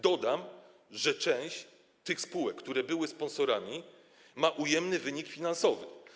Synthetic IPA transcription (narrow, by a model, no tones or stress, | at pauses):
d̪ɔd̪am | ʐɛt͡ʂɛ̃w̃ɕt͡ɕ | t̪ɘxspuwɛkːt̪uɾɛbɘwɘspɔ̃nsɔɾamʲi | maʔujɛmnɘvɘɲikfʲinansɔvɘ̰